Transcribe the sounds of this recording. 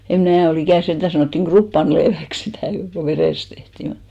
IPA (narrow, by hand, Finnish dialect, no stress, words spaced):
em mnæː ol ikæˑn send̥æ sɑnoˑtːiŋ ɡ̊rupːɑnleːʋæks sitæˑ ko ʋereˑst tehtiˑ mut